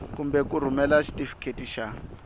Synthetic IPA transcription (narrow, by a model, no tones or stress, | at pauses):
kumbɛkuɾ̤umɛlaʃi̥tʼifi̥kʰetiʃa